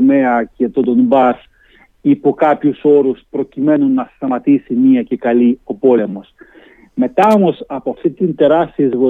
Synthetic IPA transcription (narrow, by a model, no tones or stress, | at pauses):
me̞ɐce̞t̪o̞d̪o̞nbɐs | ipokɐpçuso̞ɾuspɾo̞cime̞nunːɐst̪ɐmɐt̪isimiɐce̞kɐlio̞po̞le̞mo̞s | me̞t̪ɐo̞mo̞sɐpoɐft̪it̪int̪e̞ɾɐst̪iezɣo